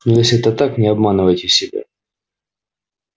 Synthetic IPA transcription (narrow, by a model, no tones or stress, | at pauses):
nojesʲɛt̪ət̪aknʲɪɐbmanɨvəjtʲɪsʲɪbʲa̰